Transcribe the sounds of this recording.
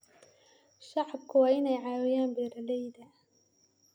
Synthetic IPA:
ʃɑʕb̚kʰʊwɑːɪnɛjʕɑːwɪjaːnbɛːɾɐlɛjd̪ɐ

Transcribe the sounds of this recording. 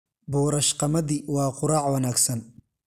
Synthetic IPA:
buːɾɐʃqɑmɐðiwɑːqʊɾɑːʕwɐnaːɡsɐn

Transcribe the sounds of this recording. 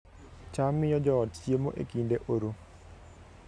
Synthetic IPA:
t͡ʃamɪjɔd͡ʒɔːtt͡ʃjemoʔḛkindeʔoɾo

